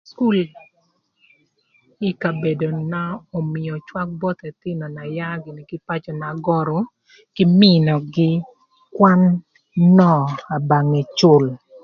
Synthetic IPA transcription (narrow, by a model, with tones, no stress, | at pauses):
sku˦˨l | i˦ka˨be˨do˨na˦o˨mɪ˨jɔ˨t͡ʃwa˦k̚bɔ˦t̪ɛ˨tɪ˦nɔ˨na˨ja˦ɡɪ˨ni˨kɪ˦pa˦t͡ʃɔ˨na˨ɡɔ˦ɾɔ˨ | kɪ˦mɪ˦nɔ˨ɡɪ˦ | kwa˦nː | ɔ˦˨a˨ba˨ŋe˨t͡ʃʊ˦˨l